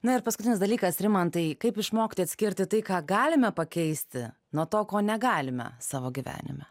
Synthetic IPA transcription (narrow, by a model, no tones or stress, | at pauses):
nʊɪɾpɐskʊt̪ʲɪnʲɪsd̪ɐlʲiːkɐsɾʲɪmɐntt̪ɐɪkɐɪpɪʃmoːkʲɪt̪ʲojɐt̪sʲkʲɪɾʲt̪ʲɪt̪ɐɪkɑːɡɑːlʲɪmʲɛpɐkʲɛɪsʲt̪ʲɪ̰ | nuɔt̪oːkoːnʲɛɡɑːlʲɪmʲɛ̰sɑːʋoːɡʲiʋʲæ̰ːnʲɪ̰mʲɛ